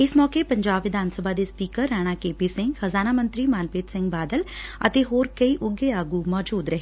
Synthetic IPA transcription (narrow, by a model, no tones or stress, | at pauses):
ɪsmɔːkeːpəɲd͡ʒaːbʋɪd̪ʱaːnsəbʱaːd̪eːspiːkəɾːaːɽ̃aːkeːpiːsɪ̃ŋɡxəzaːnaːmə̃nt̪ɾiːmaːnpeːt̪sɪ̃ŋɡbaːd̪ələt̪eːɦoːɾkəiːʔʊɡeːaːɡuːmɔːd͡ʒuːd̪ɾəɦeː